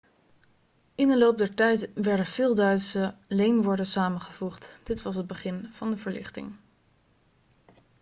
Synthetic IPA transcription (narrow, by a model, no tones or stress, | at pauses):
ɪndəlowp̚dɛɹtɛjtʋɛɹdəv̥ɪːlˠdœɥtsəlejnʋɔɹdənsaːmənχəvuχtd̥ɪtʋɑs̬əd̚bəχɪnvɑndəvəɹlɪ̰χtɪ̰ŋ